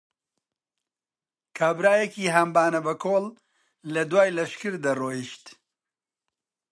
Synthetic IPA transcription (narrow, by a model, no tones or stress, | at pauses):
kʰaːbɾaːjɛkiːɦambaːnɐbɐkʰoːlː | ɐd̪waːjlɐʃkɨɾd̪ɐroːjiʃt̪